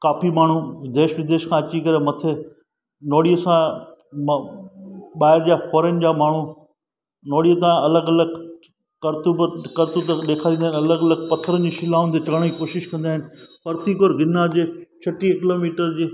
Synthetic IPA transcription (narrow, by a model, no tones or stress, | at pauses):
kaːfimaːɳ̤ud̪eːʃʋɾɪd̪eːʃkʰãːɐt͡ɕikɐɾemɐt̪ʰe | noːɽijəsã | ɓaːɦɪɾd͡ʑaːfʰoːɾən̆d͡ʑaːmaːɳ̤u | noːɽiət̪̬ãɐləɡɐləɡ | kɐɾt̪ubkɐɾt̪ut̪ɐɗeːkʰaːɾĩːnd̪ːɦɪnɐləɡɐləɡ̚pɐt̪ʰəɾənd͡ʑiʃɪlaːʊ̃nt̪et͡ɕɐɽ̃iːkoːʃɪʃkɐ̃nd̪aɦɪnɪ̆pɐɾt̪ikoːɾɡɪnːad͡ʑeːt͡ɕʰɐʈikɪloːmiːʈəɾd͡ʑiː